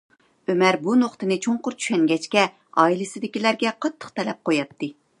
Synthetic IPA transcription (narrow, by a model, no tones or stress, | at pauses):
ømæɾbunoχt̪ɨnɨt͡ʃʰoɴqʊɾt͡ʃʰy̥ʃɛŋɡʲɛt͡ʃkʲɛ | ɑilɪsɪd̪ɪkʲilæɾɡʲɛqʰɑt̪ʰːə̥qt̪ʰɛlɛp̚qojɑt̪ʰːɨ